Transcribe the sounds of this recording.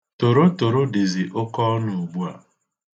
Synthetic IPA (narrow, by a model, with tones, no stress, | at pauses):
to˨ɾo˦to˨ɾo˦de˨zi˨ʔo˦kɔ˦nʊ˨ɡ͡bu˦a̰˨